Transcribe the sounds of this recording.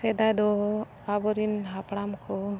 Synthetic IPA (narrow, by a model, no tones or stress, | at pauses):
sɛd̪ad̪ɔ | abɔɾinɦapɽamkɔ